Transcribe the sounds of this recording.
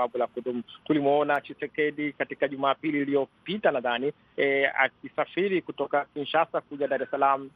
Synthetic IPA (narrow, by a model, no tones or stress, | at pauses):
aɓulakudumutulimɔɔnat͡ʃisɛkɛɗikatikaʄumaːpiliːliɔpitanaðani | a̰k̚isafiɾikutɔkakinʃasakuʄaɗaɾɛsalamu